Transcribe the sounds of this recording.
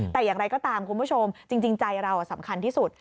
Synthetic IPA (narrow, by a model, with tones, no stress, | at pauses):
t̪ɛː˨˩jaː˨˩ŋɾa˧jkɔː˥˩t̪aː˧mkʰu˧npʰu˥˩t͡ɕʰo˧mt͡ɕi˧ŋt͡ɕi˧ŋt͡ɕa˧jɾa˧wʔa˨˩sa˩˦mkʰa˧nt̪ʰiː˥˩su˨˩t̪̚